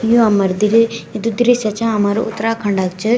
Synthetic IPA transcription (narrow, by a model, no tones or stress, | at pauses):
juɐmːɐɾd̪iɾiid̪ud̪iɾisɐt͡ʃaɐmaɾṵṵt̪ːɐɾakʰɐɳɖaɡt͡ʃɐ